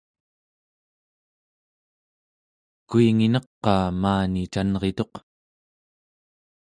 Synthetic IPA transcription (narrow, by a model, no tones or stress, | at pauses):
kuiŋinʌqːɑːmaːnit͡ʃanʁe̞t̪o̞q